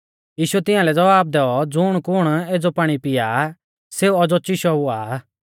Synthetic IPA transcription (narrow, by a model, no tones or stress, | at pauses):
jiːʃuɛt̪ɪ̃ãːlɛd͡zɐʋaːb̚d̪ɛːɔd͡zʊɽ̃kʊɽ̃eːd͡zopaːɽ̃ipɪja | seːuɐd͡zɔt͡ʃiʃɔua̰ː